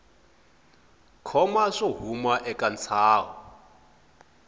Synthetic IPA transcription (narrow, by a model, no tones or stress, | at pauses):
kʰɔmaʂɔɦumwaʔɛkʼant͡sʰaːɦɔ